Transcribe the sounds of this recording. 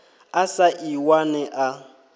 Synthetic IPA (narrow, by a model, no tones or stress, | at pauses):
asaʔiwanɛʔa